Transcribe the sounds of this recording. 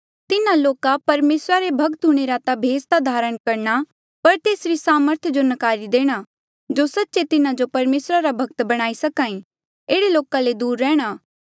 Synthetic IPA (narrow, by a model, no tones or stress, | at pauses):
t̪ɪnãloːkapɐɾmeːsɾaɾebʱɐɡ̚t̪ɦuɽ̃eɾat̪abʱeːst̪ad̪ʱaːɾəɽ̃kɐɾña | pɐɾt̪eːsɾisaːməɾt̪ʰd͡ʒonɐkaːɾid̪eːɽ̃a | d͡ʒosɐtːʃet̪ɪnãd͡ʒopɐɾmeːsɾaɾabʱɐɡ̚t̪bɐɽ̃aːisɐkaːĩ | eːɽeloːkãled̪uːɾːɛːɽ̃aː